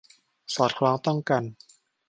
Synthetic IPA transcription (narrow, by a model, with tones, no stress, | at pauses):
sɔː˨˩t̪̚kʰlaː˨˦˥ŋt̪ɔ˥˩ŋka˧n